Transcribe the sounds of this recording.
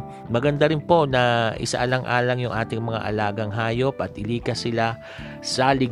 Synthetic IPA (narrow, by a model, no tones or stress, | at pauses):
mɐɡɐnd̪aɾɪnpo̞nɐʔɪ̰sa̰ʔɐlɐŋʔa̰ːlɐŋjʊŋʔaːt̪ɪŋmɐŋa̰ʔɐ̰laːɡɐŋɦaːjo̞pʔɐt̪̚ʔɪliːkɐsɪla | sɐlɪ